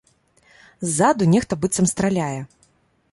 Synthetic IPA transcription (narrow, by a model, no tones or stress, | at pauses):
zːad̪unʲɛxt̪ɐbɨt̪sɐmst̪ɾalʲajɛ